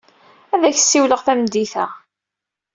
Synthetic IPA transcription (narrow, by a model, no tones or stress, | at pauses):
æðæçsːiwləʁθæmd̪iθæ